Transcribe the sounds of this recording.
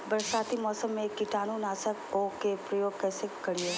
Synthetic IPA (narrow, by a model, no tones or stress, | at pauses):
bəɾʃaːt̪ʰimɔːsəmːẽkɪʈaːnunaːsəkokepɾɐjoːɡ̚kɛːsekːɐɽije